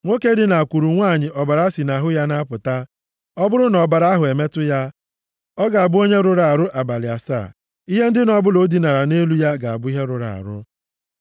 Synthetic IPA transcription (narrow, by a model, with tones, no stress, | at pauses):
ŋʷo˦ke˦dɪ˦na˨a˨kʷu˨ɾu˨ŋʷaː˦˨ɲɪ˨ʔɔ˨ba˨ɾa˦si˨na˨ɦʊ˦ja˦na˦pʊ˨ta˦ | ɔ˦bʊ˦ɾʊ˦nɔ˨ba˨ɾa˦ɦʊ˨e˨me˦tʊ˦ja˦ | ɔ˦ɡa˨a˨bʊ˦o˦ɲe˦ɾʊ˦ɾa˨a˨ɾʊ˦ʔa˨ba˨lɪ˨a˨sa̰ː˦˨ | i˦ɦe˦n̩˦dɪ˦nɔ˨bʊ˦lo˦di˨na˨ɾa˨ne˦lu˦ja˦ɡa˨a̰˨bʊ˦i˦ɦe˦ɾʊ˨ɾa̰˨a̰˨ɾʊ̰˦